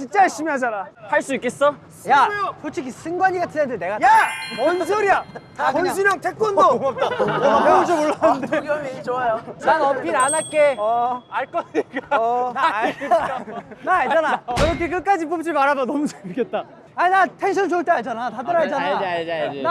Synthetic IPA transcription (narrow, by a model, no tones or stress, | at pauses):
t͡ɕint͡ɕ͈ajaɭɕ͈imiɦad͡ʑanahaɭs͈uik͈es͈ʌ | jat͡ɕot͡ɕʰikʰis͈ɯŋɡwaɲiɡatʰinendeneɡajaʌnd͡ʑoɾia | konɕ̬ʰimʌŋtʰek͈onoŋap̚t͈meot͡ɕʰomoɭːanɯndʰeɡʌmit͡ɕoajoanʌpʰiɾanak͈eaɭk͈ʌik͈ana | naaɭd͡ʑanaɯɾʌkʰek̬ɯk͈ad͡ʑip̬op̚t͡ɕ͈ʰimaɾabanʌmut͡ɕʰeik͈et̚t͈a | ainatʰenɕʰʌnt͡ɕoɯɭt͈ead͡ʑanatatʌɾaed͡ʑan | na